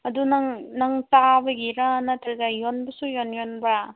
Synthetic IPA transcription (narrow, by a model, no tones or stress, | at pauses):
ɐdunɐŋnɐŋtabɐɡiɾanɐtʰɾɡajonbɐsujonjonbɾa